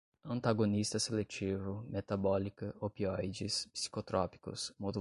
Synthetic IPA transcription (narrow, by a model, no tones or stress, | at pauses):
ɐ̃nt̪aɡonist̪ɐselet͡ʃivʊmet̪abɔlikɐopiɔjd͡ʒispsi̥kot̪ɾɔpi̥kʊ̰smod̪u